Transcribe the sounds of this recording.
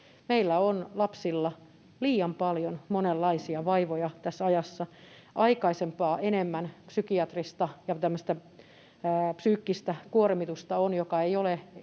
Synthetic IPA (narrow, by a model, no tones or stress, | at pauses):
meilːæonlɑpsilːɑ | liːɑmpɑljonmonelːɑisiɑʋɑiʋojɑt̪æsːɑjɑsːɑ | ʔɑikɑisempɑːʔenemːænpsykiɑt̪rist̪ɑjɑt̪æmːøst̪æ | psyːkːist̪ækuormit̪ust̪ɑonjokɑeiole